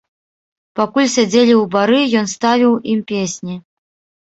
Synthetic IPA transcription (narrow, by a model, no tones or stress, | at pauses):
pakulʲsʲad͡zʲelʲiwbaɾɨjɔnst̪avʲiwimpʲesʲnʲi